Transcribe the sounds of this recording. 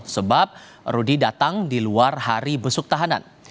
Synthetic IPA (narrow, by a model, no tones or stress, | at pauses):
səbap̚ | rudidat̪aŋdiluarhaɾibəsʊk̚t̪aɦana̰n